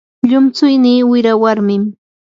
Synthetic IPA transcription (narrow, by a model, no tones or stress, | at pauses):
ʎʊmt͡sʊjniːwɪɾawaɾmɪm